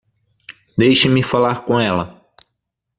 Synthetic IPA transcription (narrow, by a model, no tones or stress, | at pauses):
d̪ejʃɐmɪfalaɾkõɛlɐ